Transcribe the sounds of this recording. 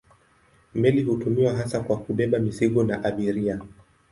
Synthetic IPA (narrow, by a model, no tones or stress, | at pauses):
mɛliɦutumiwaɦasakwakuɓɛɓamiziɠɔnaʔaɓiɾia